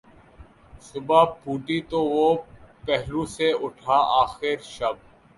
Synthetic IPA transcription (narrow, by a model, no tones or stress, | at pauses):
sʊbapuːʈit̪oʋopɛɦluseʊʈʰaaːxɪɾʃɐb̚